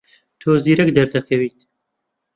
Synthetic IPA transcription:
t̪ʰoːziːɾɛkd̪ɐɾd̪ɐkʰɐwiːt̪

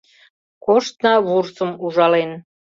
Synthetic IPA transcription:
koʃt̪nɑβursəmuʒɑlen

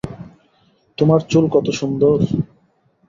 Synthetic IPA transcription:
t̪omaɾt͡ɕulkɔt̪oʃund̪oɾ

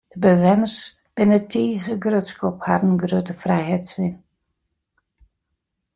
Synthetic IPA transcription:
d̥əbəʋɛnərs | b̥ɪnətʰiːɣəɡrøtskopha̰dən̩ɡrøtəfrɛjhɛtsɪn

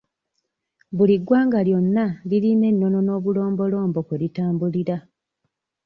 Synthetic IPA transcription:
βuliɡwaːŋɡaljo̞nːaliline̞nːo̞no̞no̞ːβulo̞ːmbo̞lo̞ːmbo̞kweɾitaːmbuliɾa

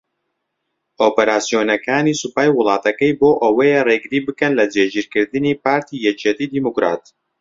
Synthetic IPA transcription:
ʔoːpɐɾaːsijoːnɐkaːnisupaːjwʊlˠɑːt̪ɐkɐjboːʔɐwɐjɛreɡɨɾiːbɨkɐnlɐd͡ʒeːd͡ʒiɾkɨɾd̪ɨniːpaːɾt̪ʰijɛt͡ʃet̪iːd̪iːmukɾa̰ːt̪

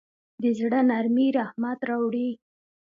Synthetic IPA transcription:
d̪əzɽənaɾmiɾahmat̪ɾɑwɽi

